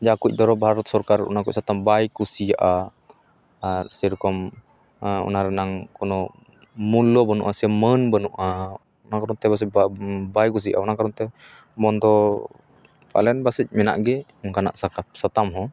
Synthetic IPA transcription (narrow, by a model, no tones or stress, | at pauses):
d͡ʒakuc̚d̪ɔɾɔbʱaɾɔt̪̚sɔɾkaɾṵnakuc̚sat̪ambajkusijaʔa | ɾsɛɾɔkɔm | ɔ̰naɾɛnaŋkɔnɔ | mulɔbənṵʔasɛmənbənuʔa | ɔnakaɾɔnt̪ɛbas̬ɛbajkus̬ija̰ʔaɔnakaɾɔnt̪ɛ | mɔnd̪ɔ | pa̰lɛnbasic̚mɛna̰ʔɡɛkana̰ʔsakasat̪amɦɔ̃